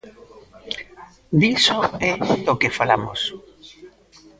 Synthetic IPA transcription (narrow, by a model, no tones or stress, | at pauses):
d̪isoɛokefalamo̰s